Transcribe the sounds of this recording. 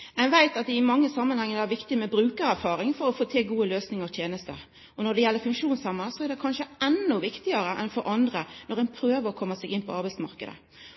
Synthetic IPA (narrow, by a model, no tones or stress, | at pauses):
mɛnʋæɪt̪ɑt̪̚d̪ɛɪmɑŋːəsɑmːənhɛŋːəæɾʋɪkt̪ɪmɛbɾʉːkəɾæɾfɑːɾɪŋfɔɾɔfoːt̪ʰɪlɡuːəløːsnɪŋəʁɔt̪ʰjeːnəst̪ə | ɔnɔd̪ɛjɛlːəɾfʉŋkʂuːnsɛmːəsɔæɾd̪ɛkʰɑnʂəɛnːʊʋɪkt̪ɪəɾəʔɛ̰nfɔɾʔɑnd̪ɾənɔʁɛɪnpʰɾøːʋəɾɔkʰɔmːəsɛɡɪnpʰɔɑɾbæɪsmɑ̰ʁkəd̪ə̰